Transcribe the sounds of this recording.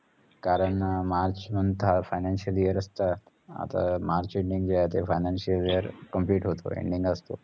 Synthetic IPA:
kaɾəɳmaɾt͡ʃmənt̪ʰafajnanʃiəlijəɾəst̪a | a̰t̪a̰maɾt͡ʃeɳɖiŋɡd͡ʒaet̪efajnanʃiəlijəɾkəmpliʈɦot̪o̰ḛɳɖĩŋɡəst̪o̰

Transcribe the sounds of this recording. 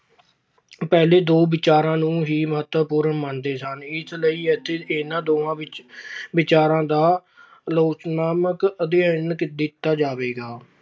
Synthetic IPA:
pɛːleːd̪oːbɪt͡ʃaːɾãːnũːɦiːməɦət̪ːəpuːɾənmənd̪eːsənɪsləiːət̪ʰːeːɪnãːd̪oːãːɪʋɪt͡ʃaːɾãːd̪aː | loːt͡ʃnaːməkəd̪eãːɪnkd̪ɪt̪ːaːd͡ʒaːʋeːɡaː

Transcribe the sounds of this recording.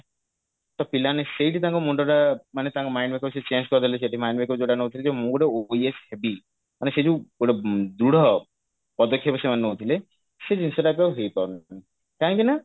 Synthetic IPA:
t̪ɔpilaneseiʈit̪ãŋkɔmuɳɖɔɾamanet̪ãŋkɔmajnbekɔɾset͡ʃend͡ʒkɔɾd̪ileseʈimajnbekɔɾd͡ʒoʈaneɦot̪ʰiled͡ʒemũɡuɽeoieshebi | manesed͡ʒuoɽed̪ɾuɽɔ | pɔd̪ɔkʰːjɔpɔsemaneɦowt̪ʰile | sed͡ʒinsɔɾapauɦejpaɾunani | kãkina

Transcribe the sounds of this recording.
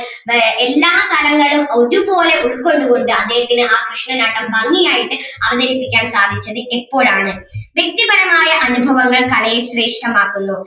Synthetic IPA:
elːaːt̪ɐlɐŋːɐɭumoɾubo̞ːle̞ʔuɭko̞ɳɖuɣo̞ɳɖɨɐd̪ːeɦɐt̪ːinɨʔaːkrɨʂɳɐnaːʈːɐmbɐŋːijaːjiʈːɨɐʋɐðɐɾipːikʲːaːnsaːd̪ʱit͡ɕːɐðɨʔepːo̞ːɻaːɳɨʋjek̚t̪ibɐɾɐmaːjɐʔɐnubʱɐʋɐŋːɐɭkɐlɐjeɕre̞ːʂʈɐmaːkːunːu

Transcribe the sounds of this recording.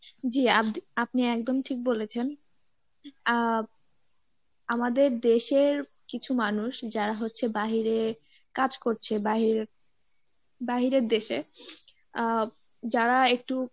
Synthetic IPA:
d͡ʑiaiapniɛkd̪omʈʰik̚bolet͡ɕʰen | amad̪eɾd̪eʃeɾ | kit͡ɕʰumanuʃd͡ʑaɾaɦotːɕʰebaɦiɾe | kad͡ʑkoɾt͡ɕʰebaɦiɾ | baɦiɾeɾd̪eʃe | d͡ʑaɾaek̚ʈu

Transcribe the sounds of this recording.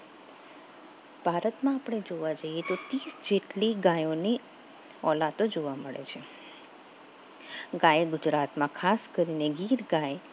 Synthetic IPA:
b̥ʱaɾət̪mãapəɽ̃ed͡ʒoʋad͡ʒəjet̪ot̪isd͡ʒeʈliɡajoni | ɔ̰lat̪od͡ʒoʋaməɭḛt͡ʃʰe | ɡajeɡʊd͡ʒɾat̪mãkʰaskəɾineɡiɾɡaje

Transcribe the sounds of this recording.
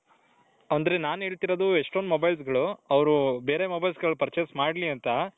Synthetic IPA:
ɐnd̪ɐɾe̞naːnɦe̞ːɭt̪iɾod̪ueʂʈond̪umobɐjls̬ɡɐɭuɐʋɾube̞ːɾe̞mobɐjlsɡɐɭupɐɾt͡ʃesmaːɖliɐnt̪ɐ

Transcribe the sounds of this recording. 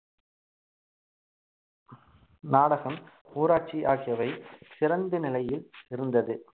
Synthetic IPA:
naːɽɐɣɐm | uːɾaːʈ̚t͡ʃiʔaːɣɪjɐʋɐɪsɪɾɐnd̪ɯnɪlɐjɪlɪɾɯnd̪ɐðɯ

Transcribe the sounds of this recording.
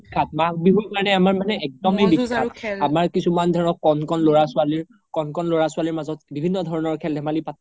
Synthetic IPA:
ikʰat̚mak̚bibukaɹnɛamaɹmanɛɛk̚dɔmejbiatamaɹkisumandʱɛɹɔkːɔnkɔnloɹasʊaliɹ | kɔnkɔnloɹasʊaliɹmazɔt̚bibʱinːɔdʱɔɹɔnɔɹkʰɛldɛmalipat̚

